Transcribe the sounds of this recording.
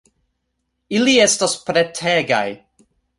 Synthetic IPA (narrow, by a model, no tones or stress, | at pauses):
iliɛstɔspɾɛtʰɛɡa̰j